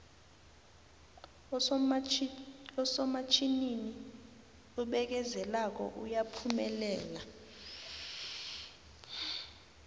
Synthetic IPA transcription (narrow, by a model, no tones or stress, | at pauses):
ɔsɔmat͡ʃʰʼinini | uɓɛk̬ɛzɛlak̬ɔ̰ʔujapʰumɛlɛːla